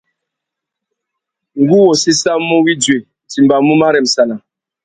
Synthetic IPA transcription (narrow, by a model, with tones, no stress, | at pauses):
ŋ̩˦ɡu˦wɔ˨si˦sa˦mu˦wi˦dwe˨ | ti˨m˨ba˨mu˦ma˦ɾɛ˨m̩˨sa˨na˨